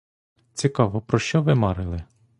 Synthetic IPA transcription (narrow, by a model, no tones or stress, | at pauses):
t͡sʲikɑʋɔpɾɔʃt͡ʃɔʋɪmɑɾɪlˠɪ